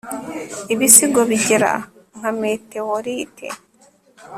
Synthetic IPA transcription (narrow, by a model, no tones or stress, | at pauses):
iβisiɡoβiɟeɾa̰ | ŋ̥hame̞ːte̞woɾiːtʰe̞̰